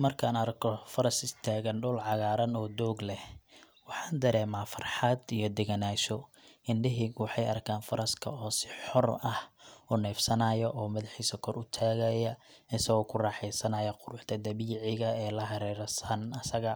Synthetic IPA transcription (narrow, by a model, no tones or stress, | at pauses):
mɐrkʰaːnɐɾkʰɔfɐɾɐsɪst̪ʰaːɣɐnɖʊlʕɑɣaːɾɐnɔːd̪ɔːɡlɛh | wɑħɑːnd̪ɐɾɛːmaːfɐrħɑd̪ijɞd̪ɛɣɐnaːʃɔ | ɪnɖɪɦiɡwɑħɑjɐrkʰaːnfɐɾɐskʰɐ̰ɔːsɪ̥ħɔrɐhʊnɛːfsɐnɐjɔʔɔːmɐðɪħiːsɐkʰɔrʊt̪ʰaːɣɐjɐɪsɐɣɔːkʰʊrɑːħɛjsɐnɐjɐqʊɾʊħt̪ʰɐd̪ɐβiːʕɪɣɐɛːlɐɦɐɾɛːɾsɐnɐsɐɣɐ